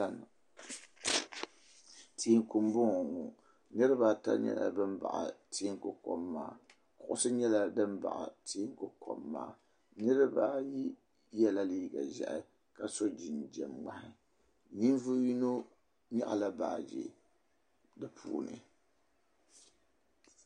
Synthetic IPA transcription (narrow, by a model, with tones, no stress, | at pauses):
a˦˨n˨ | tʰi˦ŋkʊ˨mbʊ˦ŋɔ˨ŋu˨ | ɲɨ˦ɾɨ˦ba˦ta̰˦ɲɛ̰˦la̰˨bɨ˦mba̰˨ʔa̰˨tʰi˦ŋkʊ˨ko˦mːaː˦˨ | kʊ˨ʔʊ˦sɨ˦ɲɛ˦la˦dɨ˦m˦ba̰˨ʔa̰˨tʰi˦ŋ˦kʊ˨ko̰˨mːa̰ː˦ | nɨ˦ɾɨ˦ba˦ji˦ | jɛ˦la˦liː˦ɡa˨zɛ̰˨ʔɪ˦ | ka˨so˦d͡ʒi˨nd͡ʒɛ˨mŋ͡ma˦hɪ˦ | ɲi˦n˦vu˦ji˦no˦ | ɲa̰˦ʔa˨la˦baː˨d͡ʒḭ˨ | dɨ˦pʰṵː˨nɨ̰˨